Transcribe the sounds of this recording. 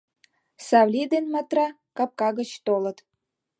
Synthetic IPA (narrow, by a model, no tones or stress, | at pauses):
sɑβlʲid̪enmɑt̪rɑ | kɑp̚kɑɣə̆t͡ɕt̪olə̆t̪